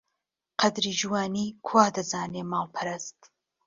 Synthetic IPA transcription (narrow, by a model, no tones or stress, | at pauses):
qʰɐd̪ɾiːd͡ʒuwaːniːkʰwaːd̪ɐzaːneːmaːwpʰɐɾɐst̪